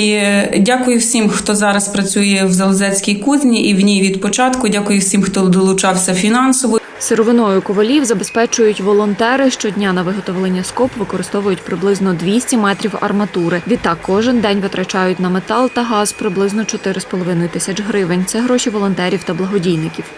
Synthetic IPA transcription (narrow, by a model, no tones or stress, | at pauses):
idʲakʊjʊwsʲimxt̪ɔzɑɾɐspɾɐt͡sʲujɛwzɐlˠzɛt͡sʲkʲijkuzʲnʲiʔiwnʲijʋʲid̪pɔt͡ʃɑt̪kʊdʲakʊjʊwsʲimxt̪ɔd̪ɔlˠʊt͡ʃɑwsʲɐfʲinɑnsɔʋɔ | seɾɔʋɪnɔjʊkɔʋɐlʲiwzɐbespɛt͡ʃʊjʊtʲʋɔlˠɔnt̪ɛɾɪʃt͡ʃɔdʲnʲanɐʋɪɦɔt̪ɔʋlˠenʲːɐskɔpʋɪkɔɾɪst̪ɔʋʊjʊtʲpɾɪblˠɪznɔd̪ʲʋʲisʲtʲimɛt̪ɾʲiwɐ̰rmɐt̪uɾɪʋʲit̪ːɑkːɔʒɪnd̪ɛnʲʋɪt̪ɾɐt͡ʃɑjʊtʲnɐmet̪ɑlˠt̪ɐɦɑzpɾɪblˠɪznɔt͡ʃɔt̪ɪɾɪspɔlˠɔʋɪnɔjʊt̪ɪsʲɐt͡ʃɦɾɪʋenʲt̪sɛɦɾɔʃʲiʋɔlˠɔnt̪ɛɾʲiwt̪ɐblˠɐɦɔdʲijnɪkʲiw